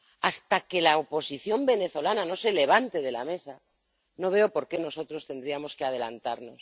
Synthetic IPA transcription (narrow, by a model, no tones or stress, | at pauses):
ast̪ake̞laopo̞siθjo̞mbe̞ne̞θo̞lanano̞se̞le̞β̞ant̪e̞ð̞e̞la̰me̞sa | no̞β̞e̞o̞po̞ɾke̞no̞so̞t̪ɾo̞st̪e̞nd̪ɾiamo̞ske̞að̞e̞lant̪aɾno̞s